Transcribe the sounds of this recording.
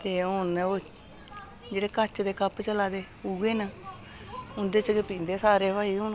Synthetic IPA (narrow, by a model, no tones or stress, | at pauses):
t̪eːʊno | d͡ʒeːɽeːkət͡ʃd̪eːkəpt͡ʃəlaːd̪eː | uːɡeːnaː | ʊnd̪eːt͡ʃəkepĩːnd̪eːsaːɾeːʋaːiːʊn